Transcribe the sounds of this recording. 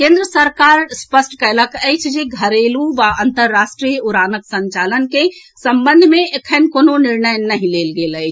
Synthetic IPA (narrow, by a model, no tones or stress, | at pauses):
kẽnd̪ɾəsəɾkaɾspəsʈkələkɛt͡ʃʰd͡ʒeɡʱəɾeluʋaənt̪əɾːasʈɾijuɾanəksə̃ɲt͡ʃalənke | səmbənd̪ʱmẽekʰənkoːnonɪɾnəjnəɦĩlelɡelət͡ʃʰ